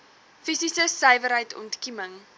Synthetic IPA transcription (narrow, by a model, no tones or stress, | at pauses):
fisisəsəjvəɾɦəjtɔ̰ntkiməŋ